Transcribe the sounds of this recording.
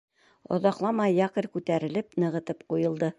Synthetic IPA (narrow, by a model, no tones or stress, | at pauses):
ŏ̰ðɑqlˠɑmɑjːɑqɤ̆ɾkʉt̪æɾɘ̆lɘpnɤ̆ʁɤ̆t̪ɤpqujɤ̆lˠd̪ɤ